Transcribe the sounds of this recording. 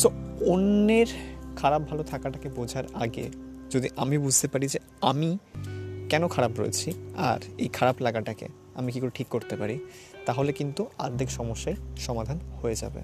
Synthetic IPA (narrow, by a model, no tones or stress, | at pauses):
t̪oonːeɾkʰaɾab̚bʱalot̪ʰakaʈakebod͡ʑʱaɾaɡḛ | d͡ʑod̪iʔamibud͡ʑʱt̪epaɾid͡ʑe | ami | kɛnokʰaɾabɾo̰jḛt͡ɕʰia̰ɾejkʰaɾablaɡaʈakḛ | amikikoɾeʈʰikːoɾt̪epaɾi | t̪aɦolekint̪ua̰d̪ʱikʃɔmoʃːajʃɔmad̪ʱanhoed͡ʑa̰bḛ